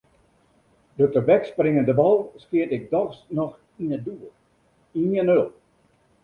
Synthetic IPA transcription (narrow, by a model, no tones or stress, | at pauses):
døtəbɛksprɪŋəndəbɔlˠskiətɪk̚dɔxsnɔx | iəduə | iənølˠ